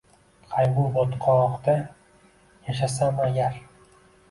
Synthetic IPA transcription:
qʰajbubot̪qʰɒqd̪a | jaʃ̬asamajʲaɾ

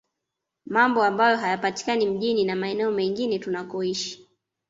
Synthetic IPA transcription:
mambɔambajɔɦajapati̥kanim̩ʄininamaɛnɛɔmɛŋɡinɛtunakɔiʃi̥

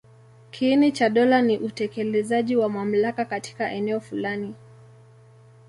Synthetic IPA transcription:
kʰinit͡ʃaɗɔlaniʔutɛkɛlɛzaʄiwamam̩lakakati̥kaʔɛnɛɔfulani

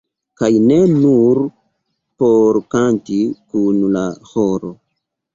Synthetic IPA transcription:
kajnenuɾ | poɾkantikunlahoɾo

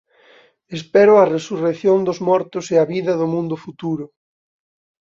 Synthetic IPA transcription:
espɛɾʊɐresureθjond̪ʊzmɔɾt̪ʊseɐβiðɐðʊmũnd̪ʊfut̪uɾʊ

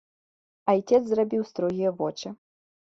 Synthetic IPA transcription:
ajt͡sʲɛt̪szrabʲiwst̪ɾɔɣʲijɐvɔt͡ʂɨ

